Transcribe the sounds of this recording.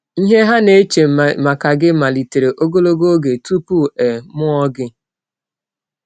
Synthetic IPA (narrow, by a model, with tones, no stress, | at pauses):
i˦ɦe˦ɦa˦ne˦t͡ʃe˨ma˨ka˨ɡɪ˦ma˨li˨te˨ɾe˨ʔo˦ɡo˦lo˦ɡo˦ɡe˨tu˦pu˦e˨mʊ˦ɔ˦ɡɪ˦